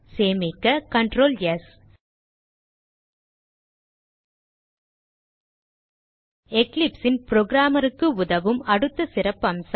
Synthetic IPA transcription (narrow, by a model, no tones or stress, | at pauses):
seːmɪkːɐkɐɳɖɾoːljɐs | ɛklɪpsɪnpɾoːɡɪɾaːmɐɾɯkːɯʊðɐʋɯmɐɽɯt̪ːɐsɪɾɐpːɐms